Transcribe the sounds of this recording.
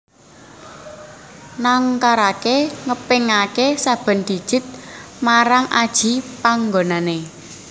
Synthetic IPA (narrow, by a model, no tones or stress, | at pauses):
naŋkaɾakeŋəpɪŋakesab̥ə̤nd̪̥i̤d̥ʒ̥ɪ̤t̪̚maɾaŋa̰d̥ʒ̥i̤paŋɡonane